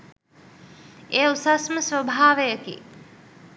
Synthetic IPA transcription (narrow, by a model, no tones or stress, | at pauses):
eːusasməsʋəbʱaːʋəjəkḭ